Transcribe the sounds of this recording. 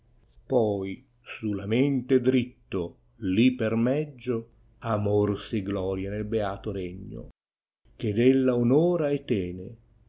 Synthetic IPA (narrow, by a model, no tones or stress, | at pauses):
pɔj | sulamɛnt̪ed̪ɾit̪ːo | lipːermɛd͡ʒːo | amorsɪɡlɔːɾjanelbeaːt̪ʊɾɛɲːo̰ | k̟ed̪ɛlːaonoːɾaɛt̪ːɛːnɪ